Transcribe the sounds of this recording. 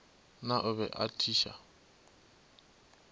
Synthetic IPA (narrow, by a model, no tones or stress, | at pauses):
naʔʊβɛ̰ʔa̰tʰiːʃa̰